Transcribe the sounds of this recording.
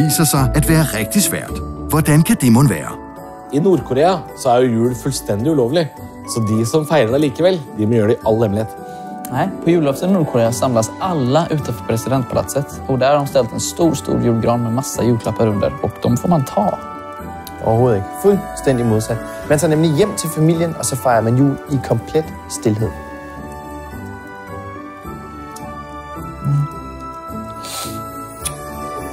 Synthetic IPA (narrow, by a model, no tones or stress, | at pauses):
iːsəsæɪæt̪ʋæːəʁɛk̚t̪ɪsʋæ̰ːɐt̪ʋɔd̪ɛnkʰɑd̪imʊnʋæ̰ːə̰ | ɪnuːɾkʰʊɾeːasɔæɾjʊjʉːɽfʉlst̪ɛnd̪ɪʉːloːʋlɪ | sɔd̪ɪsɔmfæɪɾəd̪ɛliːkəʋɛlːd̪ɪmɔjøːɖɛɪʔɑlːhɛmlɪheːt̪ | næɪpʰɔjʉːlɑfsənuːɾkʰʊɾeːasɑmlasɑlːəʔʉ̟ːt̪ɑnfɔɾpʰɾɛsɪd̪ɛnt̪̚pʰɑlɑ̰t̪sət̪ | ɔkd̪æɾhadɔmst̪ɛlt̪ɛnst̪uːɾst̪ṵːɾjuːɖɡɾɑːd̪mɛmasːajʉːkʰlapʰːəɾɵnd̪ə̰ɾɔkd̪̥ɔmfoːmant̪ʰɑ̰ː | ʔɔːhoːð̩ˠfʉlst̪ɛn̰d̪ɪmo̝ðˠsɛt̪ | mɛnsɔnɛmlɪjɛm̰ːt͡sʰelfamil̰jənɔsɔfɑɪɐmænjuikʰɔmpʰlɛt̪ | st̪elɦeð̞̰ˠ